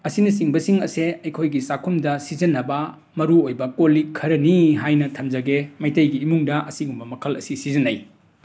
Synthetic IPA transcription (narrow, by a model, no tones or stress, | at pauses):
ɐsinɐs̬iŋbɐsiŋɐseɐjkʰojɡisakʰumdɐsizɐnːɐbɐ | mɐɾuojbɐkolikʰːɐɾɐniɦajnɐtʰɐmd͡ʒɐɡemɐjtɐjɡiːmuŋdɐʔɐsiŋumbɐmɐkʰɐlɐ̰sisizɐnɐj